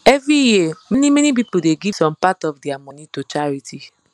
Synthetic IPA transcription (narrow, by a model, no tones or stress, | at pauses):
ɛvɹijimɛnimɛnip̬ipl̩deɡivsɔ̃mpatɔvdiamɔnitot͡ʃaɹiti